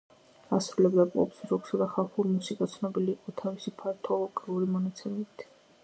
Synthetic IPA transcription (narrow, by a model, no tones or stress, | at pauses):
asɾulɛbd̪apʼɔ̰psɾɔksad̪aχalˠχuɾmusikʼat̪sʰnɔbiliːqʼɔt̪ʰavisipʰaɾt̪ʰɔlˠɔɡʼiuɾimɔnat̪sʰɛmɛbit̪ʰ